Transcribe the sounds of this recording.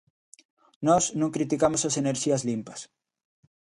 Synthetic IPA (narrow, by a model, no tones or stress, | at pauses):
nɔsnũŋkɾit̪ikamosɐseneɾʃiɐzlimpɐ̥s